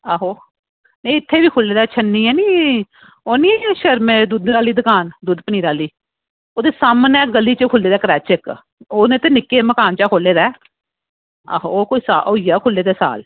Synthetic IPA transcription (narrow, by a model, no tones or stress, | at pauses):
aɦoː | nəĩɪt̪ʰːeːbiːkʰʊlːeːd̪aːt͡ʃʰənːiːɛːniː | oːnĩːɛːjãːʃəɾmẽːd̪uːd̪ɾaːliːd̪əkaːnd̪uːd̪pəniːɾaːliː | oːd̪eːsaːmənɛːɡəlːiːt͡ʃəkʰʊlːeːd̪aːkɾɛːt͡ʃɪk | oːnẽːt̪eːnɪkːeːməkaːnt͡ʃaːkʰoːlːeːd̪ɛː | a̰ɦooːkoːiːsaːʔoːijaːkʰʊlːeːd̪eːsa̰ːl